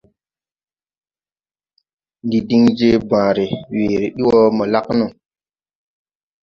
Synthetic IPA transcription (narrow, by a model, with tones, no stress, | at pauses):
ndi˨di˦ŋd͡ʒe˦bã˨ɾe˨we˨ɾe˨ɗi˦wɔ˦mɔ˨la˦knu˨